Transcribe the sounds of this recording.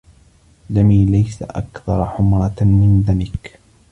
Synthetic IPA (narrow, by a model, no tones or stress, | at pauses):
ðamiːlajsa̰ʔa̰kθɑɾˤħʊmɾˤɑmɪnðamɪk